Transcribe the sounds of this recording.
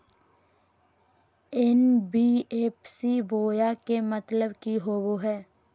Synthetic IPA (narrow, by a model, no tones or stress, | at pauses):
ɛnbieːpsiboːjakemət̪ləbkiɦoːboɦɛː